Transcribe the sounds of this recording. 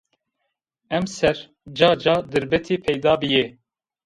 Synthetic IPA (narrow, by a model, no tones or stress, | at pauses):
ɛmsɛɾ | d͡ʒɑːd͡ʒɑːd̪ɨɾbɛt̪ʰiːpʰɛjd̪ɑːbɨje